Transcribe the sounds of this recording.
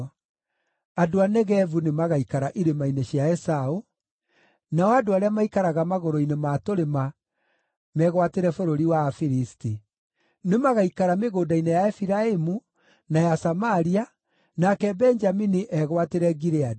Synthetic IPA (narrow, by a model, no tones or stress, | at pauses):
adoanɛɣɛvunemaɣaikaɾaʔiɾemaineɕjaɛsao | naɔadoaɾeamaikaɾaɣamaɣoɾoinematoɾema | mɛɣwateɾɛfoɾoɾiwafiɾisti | nemaɣaikaɾameɣoːdainejaɛfiɾaemu | najasamaɾia | nakɛbɛɲd͡ʒaminiʔɛɣwateɾɛɡiɾead